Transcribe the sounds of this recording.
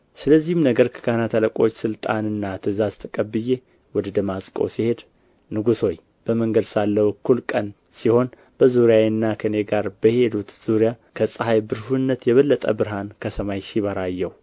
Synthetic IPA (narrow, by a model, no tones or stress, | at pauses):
sɨləzːihmnəɡəɾkʰɨ̥ɡanat̪ʰələkʼo̞t͡ʃːsɨlt̪ʼanɨnːat̪ʰɨzazt̪ʰɨkʼəbːɨje̞ | wɔd̪əd̪əmasʼkʼo̞̰sihe̞d̪ | nɨɡuso̞j | b̥əməŋɡəd̪salːəwkʰːulkʼən | siho̞n | b̥əzuɾjajɨnːakʰəneɡaɾbəhe̞d̪ut̪z̥uɾjakʰəsʼəɦajbɨɾhunːət̪jɛβəlːət̪ʼə̰bɨɾɦankʰəsəmajʃiβaɾajːɛw